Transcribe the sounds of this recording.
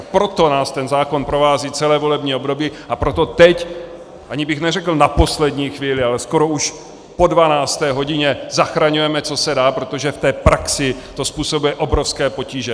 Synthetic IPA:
pɾo̞t̪o̞naːst̪ɛnzaːko̞npɾovaːziːt͡sɛlɛːvo̞lɛbɲiːo̞bdo̞biːʔapɾot̪o̞t̪ɛc | ʔaɲɪbɪxnɛrɛkl̩napo̞slɛdɲiːxviːlɪalɛsko̞ɾouʃ | po̞dvanaːst̪ɛːɦo̞ɟɪɲɛzaxɾaɲujɛmɛt͡so̞sɛdaːpɾot̪o̞ʒɛft̪ɛːpɾʔaksɪt̪o̞spuːso̞bujɛʔo̞bɾofskɛːpo̞ciːʒɛ

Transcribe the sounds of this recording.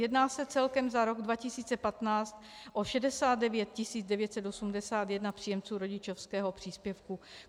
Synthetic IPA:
jɛdnaːsɛt͡sɛlkɛmzaɾo̞ɡdvacɪsiːt͡sɛpat̪naːt͡st̪ | ʔoʃɛdɛsaːd̪̚dɛvjɛt̪̚cɪsiːd͡zdɛvjɛt̪sɛt̪osumdɛsaːt̪jɛdnapr̥iːjɛmt͡suːɾo̞ɟɪt͡ʃofskɛːɦopr̝̥iːspjɛfku

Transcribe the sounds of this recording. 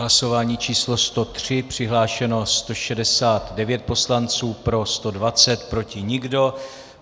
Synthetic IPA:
laso̞vaːɲiːt͡ʃiːslo̞st̪o̞t̪r̥ɪpr̝̥ɪɦlaːʃɛno̞st̪o̞ʃɛdɛsaːt̪dɛvjɛt̪̚po̞slant͡suːpɾo̞st̪o̞dvat͡sɛt̪pɾo̞cɪɲɪɡdo̞

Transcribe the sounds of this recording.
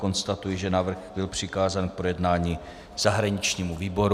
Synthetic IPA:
ko̞nst̪at̪ujɪʒɛnavr̩xbɪlpr̝̥ɪkaːzaːnk̚pɾojɛdnaːɲi | z̥aɦɾaɲɪt͡ʃɲiːmuviːbo̞ɾ

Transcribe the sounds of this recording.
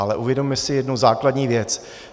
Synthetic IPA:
alɛʔuvjɛdommɛsɪjɛdnuzaːkladɲiːvjɛt͡s

